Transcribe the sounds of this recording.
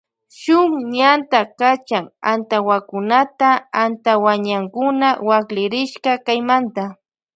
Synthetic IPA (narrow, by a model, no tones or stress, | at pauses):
ʃʊŋɲant̪akat͡ʃaŋa̰nt̪awakʊnat̪aant̪awaɲaŋkʊnawaklɪɾɪʃkakajmant̪a